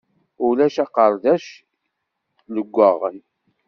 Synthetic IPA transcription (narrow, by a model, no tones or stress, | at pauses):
ʊlæʃɑqəɾˤðæʃ | ləɡʷːəʁə̰n